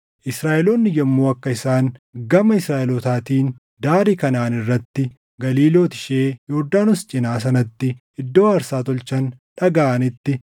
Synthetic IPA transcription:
ʔɪsɾaːʔɛloːnːɪd͡ʒɛmːoːɐkːɐɪsaːŋɡɐmɐɪsɾaːʔɛlɔt̪aːt̪iːn | d̪aːɾiːkɐnaːnɪrːɐt̪ːɪ | ɡɐliːlo̞ːt̪ɪ̥ʃeːjoːd̪ːaːnʊst͡ʃʼɪnaːs̬ɐnɐt̪ːɪ | ɪd̪ːo̞ːɐɾsaːt̪ɔlt͡ʃɐnᶑɐɡaʔɐnɪt̪ːɪ

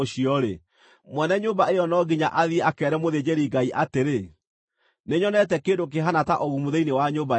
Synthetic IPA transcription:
oɕiɔɾe | mwɛnɛɲoːmbaejɔnɔɡiɲaʔaðieakɛɾɛmoðed͡ʑeɾiɡaiʔateɾe | neɲɔnɛtɛkeːndok̬eɦanataʔoɣumuðeinewaɲoba

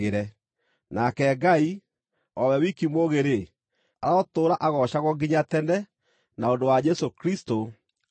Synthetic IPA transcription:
eɾɛ | nakɛːɡai | ɔwɛwikimwoɣeɾe | aɾɔtoːɾaʔaɣɔɕaɣɔŋɡiɲatɛnɛ | naondowad͡ʒɛsokɾisto

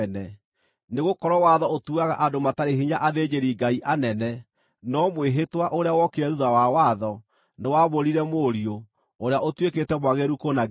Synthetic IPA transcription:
nɛ | neɣokɔɾɔwaðɔotuaɣa̰ʔadomataɾeɦiɲaʔaðed͡ʑeɾiɡaiʔanɛnɛ | nɔmweɦetwaʔoɾeawɔkeɾɛðuðawawaðɔ | newaβoɾiɾɛmoɾio | oɾeaʔotweketɛmwaɣeɾukona

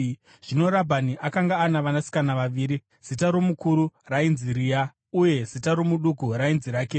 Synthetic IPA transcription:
ʐ̥ino̞ɾabʱaniʔakaŋɡaːnaʋanasi̥kanaʋaʋiːɾi | z̥itaɾomukuɾurainziɾija | uje̞zitaɾo̞muɗukuɾainziɾaːke

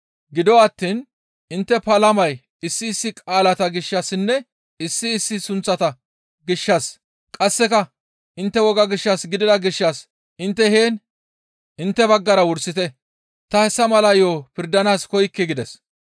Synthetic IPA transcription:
ɡɪd̪ɔɐt̪ːiːn | ɪnt̪ːɛpɐlɐmɐj | ɪsːɪːsːɪkʼaːlɐt̪ɐɡɪʃːɐsɪnːɛ | ɪsːɪːsːɪsʊnt͡sːɐt̪ɐ | ɡɪʃːɐs | kʼɐsːɛkɐ | ʔɪnt̪ːɛwɔɡɐɡɪʃːɐsɡɪd̪ɪd̪ɐɡɪʃːɐs | ʔɪnt̪ːɛheːn | ɪnt̪ːɛbɐɡːɐɾɐwʊɾsɪt̪ɛ | t̪ɐhɛsːɐmɐlɐjoːpɪɾd̪ɐnaːskɔjkːɪɡɪd̪ɛs

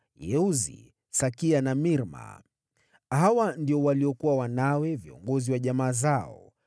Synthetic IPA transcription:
jɛuzḭ | sakianamiɾma̰ | hawandiɔwaliɔkuwawanawɛviɔ̰ŋɡɔziwaʄamaːzaɔ̰

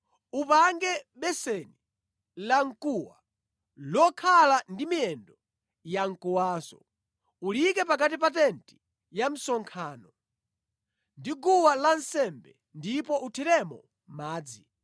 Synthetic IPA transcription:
upaŋɡɛɓɛsɛni | laŋ̩kuwa | lɔkʰalandimiɛndɔ | jaŋ̩kuwaːsɔ̰ | ulikɛpak̬at̬ip̬atɛnti̥ | jam̩sɔŋkʰaːnɔ | ndiɡuwalansɛmbɛ̰ | ndipɔʔutʰɛɾɛmɔ̰ | maːd͡zi

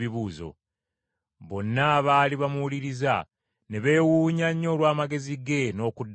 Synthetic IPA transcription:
iβuːzo̞̰ | βo̞nːaːβaːliβamuwuliɾiza̰ | ne̞βe̞ːwuːɲaɲːo̞ːlwaːmaɡe̞ziɡe̞no̞ːkudː

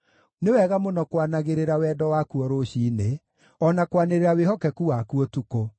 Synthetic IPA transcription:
newɛɣamonɔkwanaɣeɾeɾawɛdɔwakuɔɾoɕine | ɔnakwaneɾeɾaweɦɔkɛkuwakuɔtuko

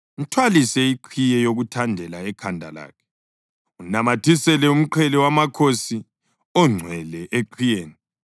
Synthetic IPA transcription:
n̩tʰwalisɛiǃʰijɛjoɣutʰandʱɛlaɛkʰandʱa̰la̰ːkʰɛ̥ | unamatʰisɛlɛum̩ǃʰɛlɛwamakʰosi | ɔŋ͡ǀʱwɛlɛʔeǃʰijeːni

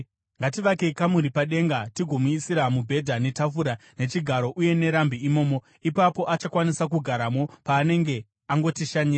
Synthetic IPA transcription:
ŋɡatiʋakekamuɾipaɗe̞ŋɡatiɡʱo̞muisiɾamubʱe̞dʱane̞tafuɾane̞t͡ʃiɡʱaɾo̞ʔuje̞ne̞ɾambʱiːmo̞ːmo̞ | ipapo̞ʔat͡ʃakwanisak̬uɡʱaɾamo̞paːne̞ŋɡe̞ | aŋɡo̞tiʃaɲiːa

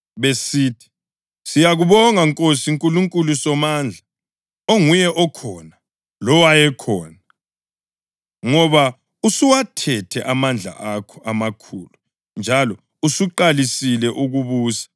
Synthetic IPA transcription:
βesiːtʰi̥ | sijaɣuβɔŋaŋkʼosiŋkʼuluŋkʼulusɔmaːnd͡ɮʱa | oŋujɛʔɔkʰɔːna | lɔwajɛkʰɔːna | ŋɔβa | usiwatʰɛtʰɛʔamand͡ɮʱa̰ʔakʰɔ̥ʔamakʰuːlu | nd͡ʒʱalɔ | usuǃalisilɛʔuɣuβuːsḁ

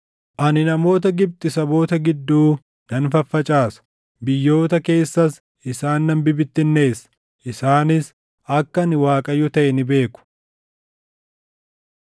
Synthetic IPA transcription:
ʔɐnɪnɐmo̞ːt̪ɐɡɪb̚t̪ʼɪsɐbo̞ːt̪ɐɡɪd̪ːuː | nɐnfɐfːɐt͡ʃʼaːsɐ̥ | bɪjːo̞ːt̪ɐke̞ːsːɐs | ɪsaːnːɐnbɪbɪt̪ːɪnːe̞ːsɐ̥ | ʔɪsaːnɪs | ɐkːɐnɪwaːkʼɐjːʊt̪ɐʔɛnɪbe̞ːkʊ̥

